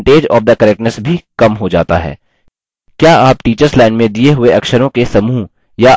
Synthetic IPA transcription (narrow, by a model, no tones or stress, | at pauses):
ʈeːd͡ʒɔ̰ːfd̪ɐkɐɾɛk̚ʈnəsbʱikɐmɦod͡ʒa̰ːt̪a̰ɦɛ̰ː | kjaːaːpʈiːt͡ʃəɾslaːɪnmẽd̪ieɦʊeɐkʃəɾõkesɐmuː | ja